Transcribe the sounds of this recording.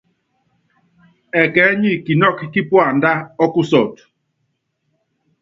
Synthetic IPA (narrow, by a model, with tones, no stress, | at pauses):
ɛ˨kɛ˨˦ɲi˦˨ki˨nɔ˦˨kki˦pwa˨n̩˦da˦ɔ˦ku˦sɔ˨t